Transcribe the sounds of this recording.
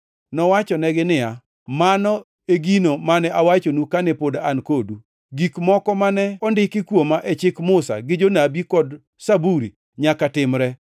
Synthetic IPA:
nɔwat͡ʃɔnɛɡɪnɪa | manɔ | eɡinomanɛʔawat͡ʃonukanɛpodaankodu | ɡikmɔkɔmanɛɔndɪkɪkwomaʔɛt͡ʃɪkmʊsa̰ɡɪd͡ʒonabikɔd | sabuɾḭ | ɲakatɪmɾɛ

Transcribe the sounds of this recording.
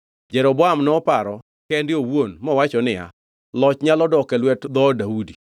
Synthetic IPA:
d͡ʒɛɾɔbɔamnɔpaɾɔ | kɛndɪowonmɔwat͡ʃɔnɪa̰ | lɔt͡ʃɲalɔdɔkɛlwɛtd̪ɔdaudi

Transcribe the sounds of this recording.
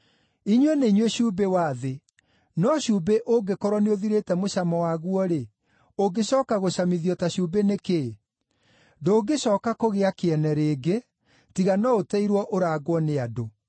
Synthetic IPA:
iɲwɛneiɲweɕuːbewaːðe | nɔɕubeʔoɡekɔɾwɔneoðiɾetɛmoɕamɔwaɣuɔɾe | oɡeɕɔːkaɣoɕamiðiɔtaɕubeneke | doːɡeɕɔːkakoɣeakeɛnɛɾeːɡe | tiɣanɔotɛiɾwɔʔoɾaɣwɔneado

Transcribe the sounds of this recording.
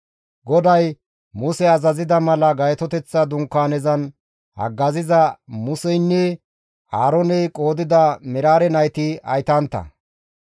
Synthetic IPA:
ɡɔd̪ɐj | mʊsɛɐzɐzɪd̪ɐmɐlɐɡɐjt̪ɔt̪ɛt͡sːɐd̪ʊŋkːaːnɛzɐn | hɐ̰ɡːɐzɪzɐmʊsɛjnːɛ | aːɾɔnɛjkʼo̞ːd̪ɪd̪ɐmɛɾaːɾɛnɐjt̪ɪɐ̰jt̪ɐnt̪ːɐ̰

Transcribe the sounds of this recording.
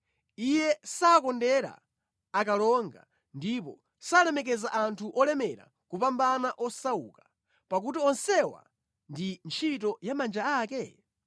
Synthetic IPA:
ijɛsaːkɔndɛɾa̰ | akalɔŋɡa̰ | ndipɔ | salɛmɛk̬ɛzaʔantʰuʔɔlɛmɛɾa̰ | kupambanaʔɔsaṵkḁ | pak̬utiɔnsɛwa̰ | ndint͡ʃʰitɔjamand͡ʒaaːkɛ

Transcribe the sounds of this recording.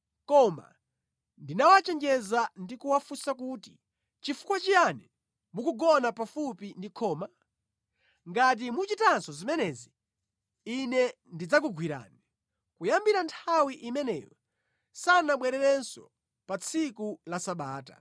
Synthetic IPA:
kɔma̰ | ndinawat͡ʃɛnd͡ʒɛzandikuwafusak̬uti | t͡ʃifu̥kwat͡ʃijanɛ | mukuɡɔnapafupindikʰɔːma | ŋɡat̬imut͡ʃitansɔzimɛnɛzi | inɛ | ndid͡zak̬uɡwiɾa̰ːni | kujambiɾantʰawiʔimɛnɛ̰jɔ | sanaɓwɛɾɛɾɛnsɔ̰ | pat͡sʰikulasaɓaːta̰

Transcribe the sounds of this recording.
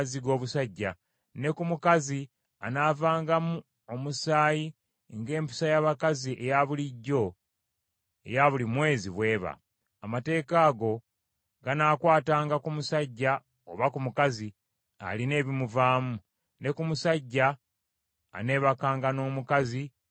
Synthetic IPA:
ziɡo̞ːβusaɟːa | ne̞kumukazi | a̰naːvaːŋɡamu | o̞musaːji | ŋɡe̞ːmpi̥sajaβakaziʔe̞jaβuliɟːo̞ | e̞̰jaβulimwe̞ːziβwe̞ːβa̰ | amate̞ːkaːɡo̞ | ɡanaːkwaːtaːŋɡakumusaɟːa | oβakumukazi | a̰line̞ːβimuvaːmu | ne̞kumusaɟːa̰ː | ne̞ːβakaːŋɡano̞ːmukazi

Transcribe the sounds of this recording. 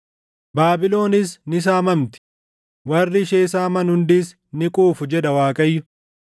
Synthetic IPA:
baːbɪlo̞ːnɪsnɪs̬aːmɐmt̪ɪ̥ | wɐrːɪʃe̞ːsaːmɐnhʊnd̪iːs | nɪkʼuːfʊd͡ʒɛᶑ̪ɐwaːkʼɐjːʊ

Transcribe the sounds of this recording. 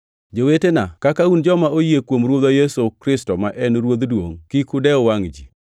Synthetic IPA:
d͡ʒowetenakakaund͡ʒɔmaojekwomɾwod̪ajɛsokɾɪstɔmaʔɛnɾwod̪dwo̰ŋkikʊdɛɔwaŋd͡ʒḭ

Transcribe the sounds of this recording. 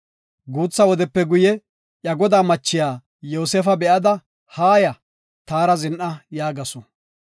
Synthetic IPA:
ɡuːt͡sːɐwɔd̪ɛpːɛɡʊjɛ | ʔjɐɡɔd̪aːmɐt͡ʃːɪjaː | joːseːfɐbɛʔɐd̪ɐ | haːjɐ | t̪aːɾɐzɪnʔɐjaːɡɐsɔ

